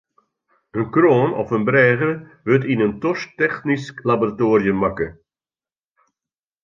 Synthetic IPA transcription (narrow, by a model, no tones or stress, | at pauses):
ənkroːnɔ̰fənbrɛːɣərʋøtinəntɔstɛxnisklaboratoːrjəmakə